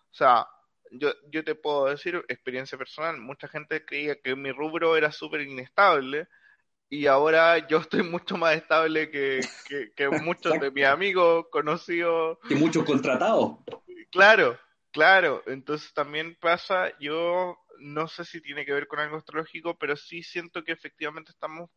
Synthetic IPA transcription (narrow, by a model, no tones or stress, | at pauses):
osea̰ | ɟ͡ʝoɟ͡ʝot̪e̞pwe̞ðoðe̞siɾeks̚pe̞ɾje̞nsjape̞ɾsonalmut͡ʃaxe̞nt̪ekɾe̞iakemiruβɾoeɾasupe̞ɾine̞st̪aβle | iaoɾaʝoest̪o̞jmut͡ʃomase̞ht̪aβlekekekemut͡ʃoðemisamiɣokonosiðoimut͡ʃokont̪ɾat̪aoklaɾo | klaɾoʔent̪onsest̪ambje̞npasaʝo | no̞se̞sit̪jene̞keβe̞ɾko̞nalɣoest̪ɾolo̞xikope̞ɾo̞sisje̞nt̪o̞keːfe̞k̚t̪iβame̞nt̪e̥st̪amos